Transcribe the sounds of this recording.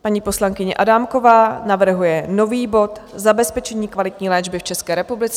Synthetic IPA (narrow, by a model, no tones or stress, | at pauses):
paɲiːpo̞slaŋkɪɲɛʔadamko̞vaːnavr̩ɦujɛno̞viːbo̞t̪zabɛspɛt͡ʃɛɲiːkvalɪt̪ɲiːlɛːd͡ʒbɪft͡ʃɛskɛːɾɛpublɪt͡sɛ